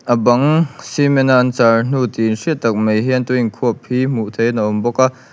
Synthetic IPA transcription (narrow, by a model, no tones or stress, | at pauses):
ʔəbɐŋsimɛnaʔnt͡sarn̥ut̪inʂiəʔt̪ɐk̚mejɦɛnt̪uiŋkʰuəpʰːim̥uʔt̪ʰejnəʔɔmbɔkaʔ